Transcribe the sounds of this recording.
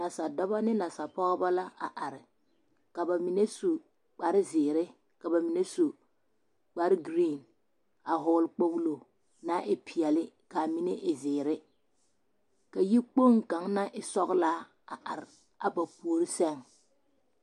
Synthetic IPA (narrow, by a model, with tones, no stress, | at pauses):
na˨sa˨dɔ˦ba˦nɪ˦la˨sa˨pɔ˦ɣba˦la˦a̰˨ʔa˨ɾɪ˨ | ka˨ba˨mi˨ne˦su˨ | k͡pa˨ɾɪ˦zɪː˨ɾɪ˦ | ka˨ba˨mi˨ne˦su˨ | k͡pa˨ɾɪ˦ɡɾiː˦˨n | a˨ɦʊ˦˨˦lk͡po˦blo˨ | na˦ʔɪ˦pʰi˨ɛ˨lɪ˦ | ka˨mi˨ne˦ʔɪ˨zɪː˨ɾɪ˦ | ka˨ji˦k͡po˦ŋka˨˦ŋna˦ʔɪ˦sɔ˦ɣlaː˦ | a˨ʔa˨ɾɪ˨ | a˨ba˨pu˨o˨ɾɪ˦sɛ˦ŋ